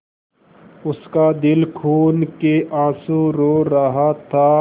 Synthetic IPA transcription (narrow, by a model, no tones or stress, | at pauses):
ʊskad̪ɪlkʰuːnkeʔãːsũɾoːɾɐɦat̪ʰaː